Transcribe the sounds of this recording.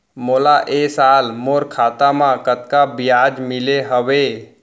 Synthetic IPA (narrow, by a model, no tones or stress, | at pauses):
moːlaʔeːsaːlmoːɾkʰaːt̪amãkət̪kabɪjaːd͡ʒmɪleɦəʋe